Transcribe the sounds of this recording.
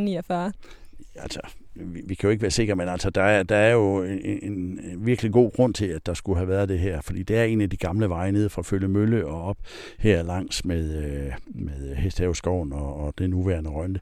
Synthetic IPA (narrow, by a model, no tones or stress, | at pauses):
niæfɑː | ælsɒ̥iʋikʰæjo̝eɡ̥əʋæːɐse̝ɡ̥ɐmenæl̰sɒd̥ɑ̈æɐd̥ɑ̈æɐjo̝eenʋiɐɡ̥əliɡ̥o̝̰ːɡ̥ʁɔ̽n̰t͡sʰe̝læd̥ɑ̈sɡ̥uɦæʋæːɐðˠd̥e̝ɦæɐ̰fɒ̽d̥ḭːd̥e̝æɐe̝̰ːnæd̥iɡ̥ɑ̈mləʋɑ̈ɪne̝ð̰ˠfʁɑ̈ːføljəmøləɒ̽ɒ̽b̥ | heɐ̰lɑ̈ŋ̰smeðˠømeðˠhesd̥hɛːʊsɡ̥ɒʊ̰n̩ɒːd̥enuʋæɐnəʁɶnd̥ə